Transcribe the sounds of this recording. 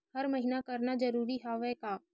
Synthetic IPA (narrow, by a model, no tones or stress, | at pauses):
hɐɾmɐɦɪnakɐɾnazɐɾuːɾiɦaːʋɛkaː